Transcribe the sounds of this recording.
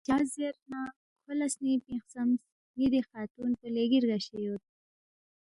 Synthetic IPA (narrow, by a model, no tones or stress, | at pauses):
d͡ʒɑːzeɾna | kʰolasnipĩxsams | nid̪exɑːt̪unpəleɡiɾɡaɕejot̪̚